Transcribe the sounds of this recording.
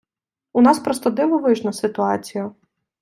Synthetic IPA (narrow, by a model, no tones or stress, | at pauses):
ʊnɑspɾɔst̪ɔd̪ɪʋɔʋɪʒnɐsɪt̪ʊɑt͡sʲijɐ